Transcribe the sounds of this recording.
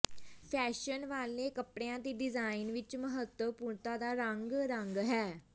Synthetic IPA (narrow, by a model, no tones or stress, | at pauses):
pʰɛːʃənʋaːlnẽːkəpɽejãːt̪eːɖɪzaːɪnʋɪt͡ʃməɦət̪əpuːɳt̪ãːd̪aːɾəŋɡɾəŋɡɦɛː